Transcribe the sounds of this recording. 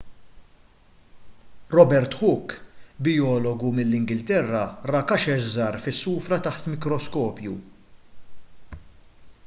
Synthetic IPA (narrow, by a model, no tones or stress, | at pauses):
ɾɔbɛɾt̪ħʊkːbɪjɔːlɔɡumɪlːɪŋɡɪlt̪ɛrːɐrɐkɐʃɛʃzɐːɾfɪsːuːfɾɐt̪ɐħt̪mɪkɾɔskɔːpjṵ